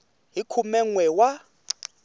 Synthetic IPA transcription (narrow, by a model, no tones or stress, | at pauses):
ɦikʰumɛŋwɛwa